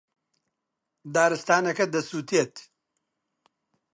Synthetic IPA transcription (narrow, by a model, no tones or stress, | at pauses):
d̪aːɾɨst̪aːnɐkɐd̪ɐsuːt̪ʰiet̪